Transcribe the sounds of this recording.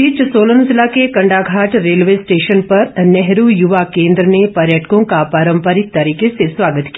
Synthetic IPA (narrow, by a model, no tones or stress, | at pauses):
iːt͡ʃsoːlənzlakekɐ̃ɳɖaɡʱaːʈɾeːlʋesʈeːʃənpɐɾnɛɦɾujʊʋakẽːnd̪ɾənepəɾjəʈkõkapaːɾə̃mpəɾɪk̚t̪ɐɾiːkesesʋaːɡət̪ki